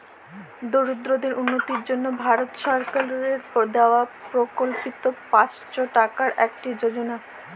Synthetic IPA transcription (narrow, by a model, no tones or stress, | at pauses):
d̪oɾud̪ɾod̪eɾʔunːot̪iɾd͡ʑonːobʱaɾot̪ʃɔɾkalɾeɾd̪eoapɾokolpit̪opat͡ɕt͡ɕoʈakaɾʔɛk̚ʈid͡ʑod͡ʑona